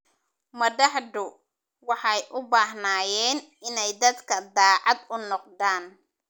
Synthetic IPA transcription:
mɐd̪ɐħd̪ʊ | wɑħɑjʔʊbaːɦnaːjɛːn | ɪnɛjd̪ɐd̪kʰɐd̪ɑːʕɑd̪ʊnɔqd̪aːn

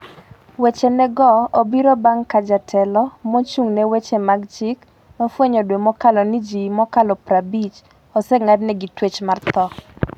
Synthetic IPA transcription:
wet͡ʃenɛɡɔobiɾɔbaŋkad͡ʒatʰɛlɔmɔt͡ʃuŋnɛwet͡ʃemaɡt͡ʃɪk | mafweɲɔdwemɔkalɔnid͡ʒimɔkalɔpɾabit͡ʃ | ɔsɛŋadnɛɡitwet͡ʃmart̪ɔ

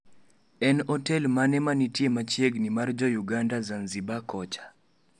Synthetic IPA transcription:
ɛnɔtɛlmanɛmanitjemat͡ʃjeɡnimard͡ʒɔjuɡandazanzibakɔt͡ʃḁ

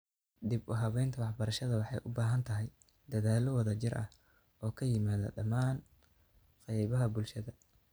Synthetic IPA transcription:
d̪ɪbʊɦɐβɛjnt̪ʰɐwɑħbɐɾɐʃɐðɐwɑħɑjʔʊbaːɦɐnt̪ʰɐɦɛj | d̪ɐðaːlɔwɑðɐt͡ʃɪrʔɐ̰h | ɔːkʰɐjɪmaːðɐ̰ɖɐmaːn | qɛjβɐɦɐbʊlʃɐðɐ

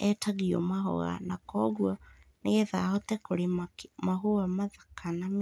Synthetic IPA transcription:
ɛtaɣiɔ̰maɦɔ̰ɣa̰nakɔɣwɔneɛðahɔtɛkoɾemaɦowamaðakanam

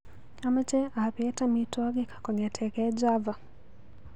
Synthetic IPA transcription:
amat͡ʃɛapiɛtamitɔɡɛkḁkɔɲatʰɛkɛd͡ʒava

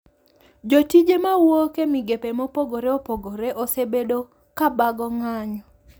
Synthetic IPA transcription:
d͡ʒotid͡ʒemawokemiɡepemopoɡoɾeopoɡoɾeʔosebedo | kabaɡɔŋaɲɔ

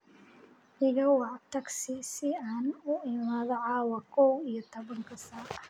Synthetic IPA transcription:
ʔɪɣɐwɑʕt̪ʰɐɡsɪsɪaːnʊɪmaːðɔʕɑːwɐkʰɔwijɔt̪ʰɐβɐŋkʰɐsaː

